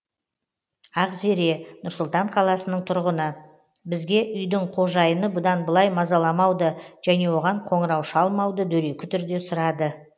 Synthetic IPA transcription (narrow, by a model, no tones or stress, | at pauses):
ɑqzeɾe̞nʊɾsʊlˠt̪ɑɴqʰɑlˠɑsənəɴt̪ʰʊɾʁənə | bɪzɡʲe̞ʔʏjd̪ɪɴqʰo̞ʒɑjənəbʊd̪ɑnbəlˠɑjmɑzɑlˠɑmɑwd̪əʒ̥æne̞wo̞ʁɑɴqʰo̞ɴəɾɑwʃɑlˠmɑwd̪əd̪ɵɾe̞kʲɪ̥t̪ʰʏɾd̪e̞sʊɾɑd̪ə